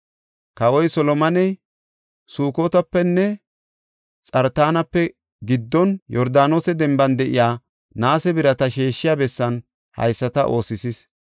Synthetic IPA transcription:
kɐwɔjsɔlɔmɐnɛj | suːkoːt̪ɐpːɛnːɛ | t͡sʼɐɾt̪aːnɐpːɛ | ɡɪd̪ːɔnjɔɾd̪aːnoːsɛd̪ɛmbɐnd̪ɛʔɪjaː | naːsɛbɪɾɐt̪ɐʃeːʃːɪjaːbɛsːɐn | hɐ̰jsːɐt̪ɐʔo̞ːsɪsɪs

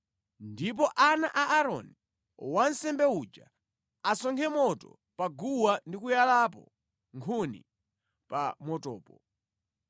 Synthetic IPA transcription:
ndip̬ɔʔanaʔaʔaɾɔ̰ni | wan̩sɛmbɛud͡ʒa | asɔŋkʰɛmɔtɔ̰ | paɡuwandikujalap̬ɔ̰ | ŋkʰunḭ | pamɔtɔːpɔ

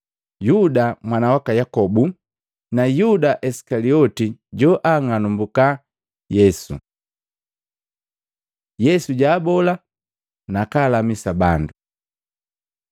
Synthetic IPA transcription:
judamwanawakajakɔbu | najudaʔɛsi̥kaliɔtiɟɔʔaŋanumbuka | jɛsṵ | jɛsuɟaːbɔla | nakaːlamisabandu

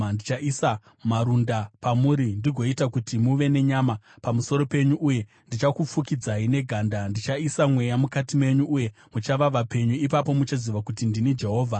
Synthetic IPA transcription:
ndit͡ʃaʔisa | maɾundapamuɾindiɡʱo̞itakutimuʋe̞ne̞ɲaːma | pamuso̞ɾo̞pe̞ɲuʔuje̞ | ndit͡ʃakup͡fukid͡zaine̞ɡʱaːndandit͡ʃaisamwe̞jamukatime̞ɲuʔuje̞ | mut͡ʃaʋaʋape̞ɲuipapo̞mut͡ʃaziʋakutindinid͡ʒe̞ɦo̞ːvʱa

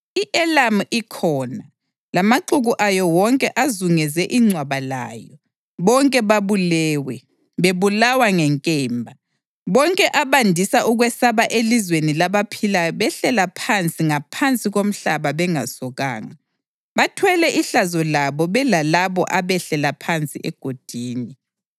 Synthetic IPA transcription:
iʔɛlamikʰɔːna | lamaǃuɣuʔajɔwɔŋkʼɛʔazuŋɛzɛʔiŋ͡ǀʱwaβala̰ːjɔ | βɔŋkʼɛβaβulɛːwɛ | βeβulawaŋɛŋkʼɛːmbʱa | βɔŋkʼɛʔaβandʱisaʔuɣwɛsaβaʔelizwenilaβapʰilaβɛɬɛlapʰant͡sʼiŋapʰant͡sʼiɣom̩ɬaβaβɛŋa̰sɔɣa̰ːŋa | βatʰwɛlɛʔiɬazɔlaβɔβɛlalaβɔ̰ʔaβɛɬɛlapʰant͡sʼḭʔɛɡ̥ʱod̥ʱiːni

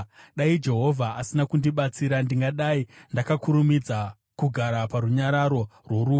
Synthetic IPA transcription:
ɗaid͡ʒe̞ɦo̞vʱaasinakundiɓat͡siɾandiŋɡaɗaindakakuɾumid͡za | kuɡʱaɾapaɾuɲaɾaɾo̞rwo̞ɾuː

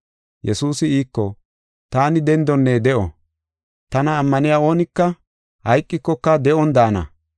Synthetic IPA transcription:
jɛsuːsɪiːkːɔ | t̪aːnɪd̪ɛnd̪ɔnːeːd̪ɛʔɔ̰ | t̪ɐnɐːmːɐnɪjaːo̞ːnɪkːɐ | hɐjkʼːɪkːɔkːɐd̪ɛʔɔnd̪aːnɐ̰

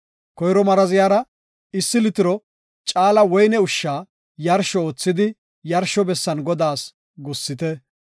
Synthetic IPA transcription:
kɔjɾɔmɐɾɐzɪjaːɾɐ | ɪsːɪlɪt̪ɪɾɔ | t͡ʃʼaːlɐwɔjnɛʊʃːaː | jɐɾʃɔoːt͡sːɪd̪ɪ | jɐɾʃɔbɛsːɐnɡɔd̪aːs | ɡɔsːɪt̪ɛ

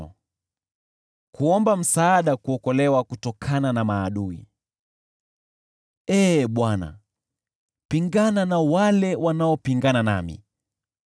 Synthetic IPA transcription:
ɔ | kuɔmbam̩saːɗakuɔkɔlɛwakutɔkʰananamaːɗuḭ | ɛɓwana̰ | piŋɡananawalɛwanaɔpiŋɡanana̰mḭ

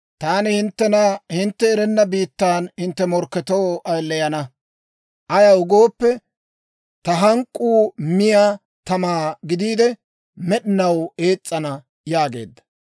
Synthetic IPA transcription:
t̪aːnɪhɪnt̪ːɛnɐhɪnt̪ːɛːɾɛnːɐbiːt̪ːaːnhɪnt̪ːɛmɔɾkːɛt̪oːɐjlːɛjɐnɐ | ʔɐjɐʊɡo̞ːpːɛ | t̪ɐɦɐŋkʼːuːmɪjaː | t̪ɐmaːɡɪd̪iːd̪ɛ | mɛɗɪnɐwe̞ːt͡sʼːɐnɐ | jaːɡe̞̰ːd̪ːɐ̥

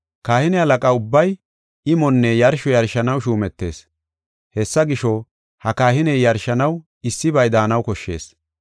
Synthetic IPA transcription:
kaːhɪnɛhɐlɐkʼɐʊbːɐj | ɪmɔnːɛjɐɾʃɔjɐɾʃɐnɐwʃuːmɛt̪ːe̞̰ːs | hɛsːɐɡɪʃɔ | hɐkaːhɪnɛjjɐɾʃɐnɐw | ɪsːɪbɐjd̪aːnɐwkɔʃːe̞̰ːs

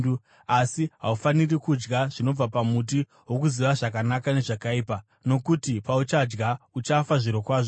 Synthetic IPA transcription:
u | asiɦaufanirikud͡ʒɡaʐ̥ino̞b͡vapamut̬i | ɦwo̞kuziʋaʐakanakane̞ʐakaiːpa | no̞kutipaut͡ʃad͡ʒɡaut͡ʃafaʐiɾokwaːʐo

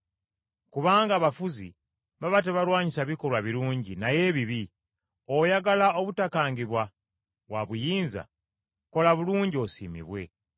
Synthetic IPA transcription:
kuβaːŋɡaːβafuzḭ | βaβat̬eβalwaːɲisaβiko̞lwaβiɾuːɲɟinaje̞βiβi | ojaɡalao̞βutakaːŋɡiβwa | βwaβujiːnza̰ | ko̞laβuluːɲɟio̞sḭmḭβwe̞̰

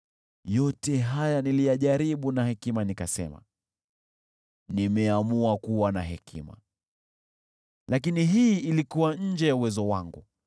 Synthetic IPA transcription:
jɔtɛɦajanilijaʄaɾiɓunahɛkimanikasɛ̰ma̰ | nimɛamuakuwanaɦɛkʰḭma̰ | lakiniɦiilikuwaɲ̩d͡ʒɛjauwɛzɔwaŋɡu

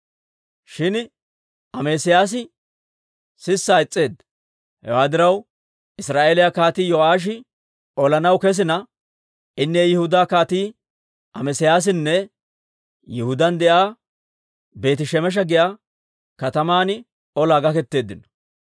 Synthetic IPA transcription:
ʃɪn | ʔɐmeːsɪjaːs̬ɪ | sɪsːaːɪt͡sʼːe̞ːd̪ɐ | hɛ̰waːd̪ɪɾɐw | ʔɪsɾaːʔeːlɪjakaːt̪iːjɔʔaːʃ̬ɪ | ʔɔlɐnɐwkɛs̬ɪnɐ | ʔɪnːejɪhʊd̪aːkaːt̪iː | ʔɐmɛsɪjaːs̬ɪnːɛ | jɪhʊd̪ɐnd̪ɛʔaː | be̞ːt̪ɪʃɛmɛʃ̬ɐɡɪjaː | kɐt̪ɐmaːnɪ | ɔlaːɡɐkɛt̪ːe̞ːd̪ːɪnːɐ̥

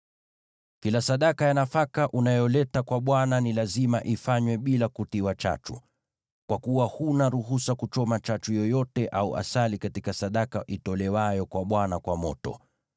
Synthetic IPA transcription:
kilasaɗakajanafakaʔunajɔlɛtakwaɓwananilazimaʔifaɲwɛɓilakutiwat͡ʃa̰t͡ʃu | kwakuwahunaɾuɦusakut͡ʃɔmat͡ʃat͡ʃujɔjɔtɛʔauʔa̰salikatikasaɗakaʔitɔlɛwajɔkwaɓwanakwamɔ̰tɔ̰

